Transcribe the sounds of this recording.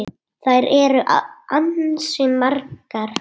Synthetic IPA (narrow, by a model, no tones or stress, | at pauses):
θajɾɛɾʏʔaansʏmarkaɾ̥